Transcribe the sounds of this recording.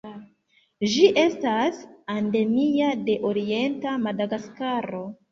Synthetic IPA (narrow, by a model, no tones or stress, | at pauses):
d͡ʒiʔe̞stasande̞miade̞ʔo̞ɾie̞ntamadaɡaskaɾo̞